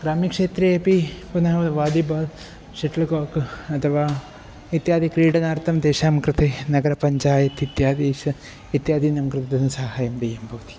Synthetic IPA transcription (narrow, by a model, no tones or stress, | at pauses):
ɡ̥ɾaːmikʂeːt̪ɾeeːpipunɐɦɐʋɐʋaːd̪ibɐːl | ʃeʈlɐkoːkɐt̪ʰɐʋaː | it̪jaːd̪ikɾiːɖɐnaːɾt̪ʰɐmd̪eːʃaːmkɾɪt̪ʰenɐɡɐɾɐpɐɲt͡ʃaːjɐt̪it̪jaːd̪iːʃɐ | it̪jaːd̪iːnɐmkɾɨt̪ʰɐd̪ɐnɐsaːɦaːjɐmd̪ɐjɐmbʱɐʋɐt̪i̥